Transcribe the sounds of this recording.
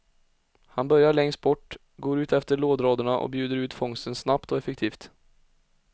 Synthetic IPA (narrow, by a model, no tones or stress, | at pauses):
hanbœɾjaɭɛŋst̪̚bɔʈː | ɡoːɾʉ̟ːt̪ɛft̪əɭoːd̪ɾoːd̪əɳaʔɔ̰bjʉːd̪əɾʉ̟ːt̪fɔŋst̪ənsnapt̪ɔɛfɛk̚t̪ʰiːft̪